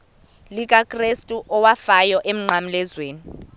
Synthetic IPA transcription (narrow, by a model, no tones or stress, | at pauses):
lik̬ʼakʼrestʼuʔɔwafajɔʔem̩ŋ͡ǀʱam̩lɛzweːni